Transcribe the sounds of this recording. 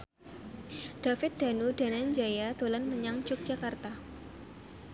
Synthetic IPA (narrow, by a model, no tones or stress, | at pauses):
d̥afɪt̪̚d̥a̤nud̥a̤nand͡ʒajat̪olanməɲaŋd͡ʒʊk̚dʒ̥a̤kart̪a